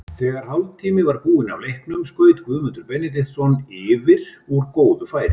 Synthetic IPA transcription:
θɛːɣaɾ̥hawlt̪ʰiːmɪvaɾpuːɪna̰wlejhknʏmskœːɥt̪kvʏðmʏnt̪ʏɾpɛnɪt̪̬ɪðsɔnɪːvɪɾ̥ɔɾkoːwðʏfaːjɾɪ

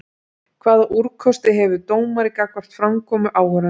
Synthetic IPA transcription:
kʰvaːðaʔuɾ̥kʰɔst̪ɪɦɛvʏt̪oːwmaɾikakvar̥t̪fɾamkʰɔːmʏʔaːwhœɾa

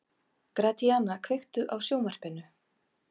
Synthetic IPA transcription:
kɾat̪ʰiaːnakʰvɪxt̪ʏʔawsjoːwmar̥pɪnːʏ

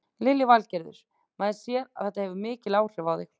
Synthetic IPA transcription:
lɪlːɪvalcɛɾðʏ̰ɾ̥ | maːjðsjɛɾa̰ð̥θɛht̪ahɛvʏmɪːcɪlaːwr̥ɪvawðɪk

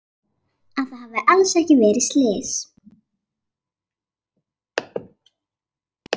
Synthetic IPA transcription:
aðθahavɪʔalsɛhcɪvɛːɾɪst̪leːs

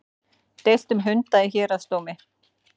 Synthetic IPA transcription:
t̪eːjl̥t̪ʏmɦʏnt̪aiçɛːɾast̪oːwmɪ

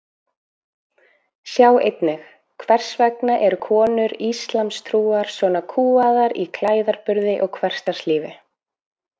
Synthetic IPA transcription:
sjaːwejt̪nɪx | kʰvɛr̥svɛknaʔɛɾʏkʰɔːnʏɾist̪lamst̪ʰɾuːaɾ̥svɔnakʰuːaðaɾikʰlaːjðaɾpʏɾðɪʔɔɣkʰvɛr̥st̪ḁsliːvɪ

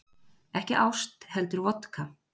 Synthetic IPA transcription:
ɛhcɪʔawst̪hɛlt̪ʏɾvɔt̪kʰa

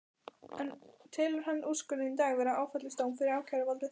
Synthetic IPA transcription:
ɛnt̪ʰɪːlʏɾ̥hanːuskʏnɪint̪aːɣvɛːɾaʔaːwfœt̪lɪst̪aːwnfɪɾɪɾawcʰaɾavalɾɪ

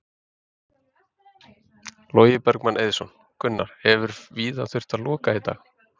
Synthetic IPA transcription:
loːjɪpœɾkmanʔejðsɔn | kʰʏnːaɾ̥hɛvʏɾviːðaθʏr̥t̪alɔːkait̪a̰ːx

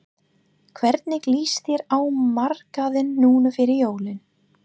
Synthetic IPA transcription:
kʰvɛɾt̪̚nɪkliːsθjɛɾaːwmar̥kaðɪnːuːnʏfɪːɾɪɾjoːwlɪn

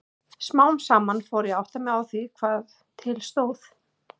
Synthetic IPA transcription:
smaːwmsaːmanfowɾjɛawht̪amɛawθvikʰvaːð | t̪ʰɪlst̪oːwθ

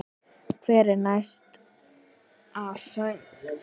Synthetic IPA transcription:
kʰvɛɾɪnajst̪ | asœŋk

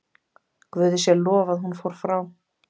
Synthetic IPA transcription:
kvʏːðɪsjɛlɔːvaðhunfoːwɾ̥fɾaw

